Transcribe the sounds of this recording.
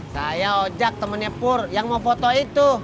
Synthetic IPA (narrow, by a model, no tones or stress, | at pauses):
sajaod͡ʒak̚t̪əmənəpʊrjaŋmofot̪oit̪u